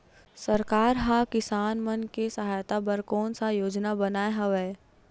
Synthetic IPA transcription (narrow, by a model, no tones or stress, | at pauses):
sɐɾkaːɾɦakɪsaːnmɐnkesɐɦaːjt̪abɐɾkɔːnsajoːd͡ʒnabɐnaːeɦɐʋɛː